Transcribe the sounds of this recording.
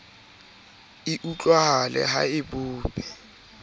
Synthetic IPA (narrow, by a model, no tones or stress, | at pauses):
ɪʔut͡ɬʼwahalɛ̰ɦa̰ɪbʊːpʼɛ̥